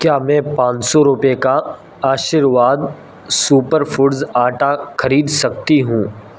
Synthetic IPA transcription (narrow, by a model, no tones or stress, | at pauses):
kjaːmɛ̃ːpãːt͡ʃsɔɾʊpeka | aːʃɪɾʋaːd̪ | suːpəɾfʊɖzaːʈaxɐɾiːd̪sɐk̚t̪iɦũː